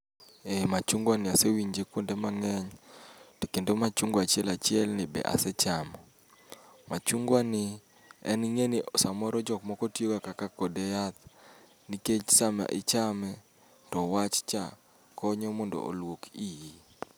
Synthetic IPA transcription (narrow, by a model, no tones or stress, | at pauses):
emat͡ʃuŋɡwanɪasewiɲd͡ʒekwondemaŋɛɲto̥kendomat͡ʃuŋɡwat͡ʃɪɛlat͡ʃɪɛlnɪbɛ̰ʔa̰sɛt͡ʃamɔ | mat͡ʃuŋɡwanɪ | ɛ̰nŋenɪsamɔɾɔd͡ʒɔkmɔkɔtjoɡakakakɔdɛjat̪̚ | niket͡ʃsama̰ʔɪt͡ʃamɛ | tɔwat͡ʃt͡ʃa̰ | kɔɲɔmɔndɔ̰ʔo̰lwokiji